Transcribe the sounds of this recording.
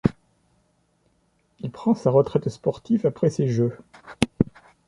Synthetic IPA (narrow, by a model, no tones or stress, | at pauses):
ilpχɑ̃saʁət̪χɛt̪spɔʁt̪ifapχɛseʒø